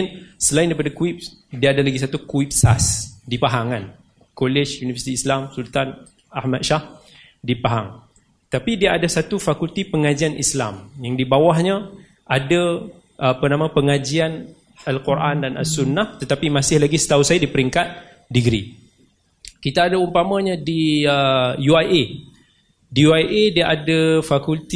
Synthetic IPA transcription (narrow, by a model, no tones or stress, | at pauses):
nsəlaɪndaipadakuip̚ | diaːdalaɡis̬at̪ukuip̚sa̰sdipaɦaŋan | kolɛʃjunivəsi̥t̪iːslamsult̪an | ahmat̪̚ʃah | dipaɦaŋ | t̪apidiaːdasat̪ufakult̪ipəŋad͡ʒianʔislamjaŋdibawahɲã | ʔada | ʔpənãmãpəŋad͡ʒian | alkurʔandanʔa̰sunːaht̪ət̪apimãsɪhlaɡisə̥t̪ausajadipəɾiŋkat̪̚ | diɡɾḭ | kit̪aːdaumpamãɲãdiəjuajʔe | dijuajʔediaʔadafakult̪